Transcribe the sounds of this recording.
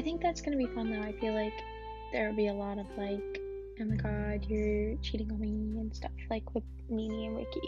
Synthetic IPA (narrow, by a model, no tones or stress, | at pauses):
aɪθɪ̃ŋk̚ðætsɡ̥ʌnɨbifʌ̃nðɨɾaɪfilaɪk | ðə˞l̩ˠbiəlɔɾʌv̥laɪk | ɨ̃nðɨɡɑɹdjə˞t͡ʃʰiɾɪ̃ŋliɨ̃nstʰʌ̰flaɪkʰwɨð̥ | miniɨ̃wɪ̰k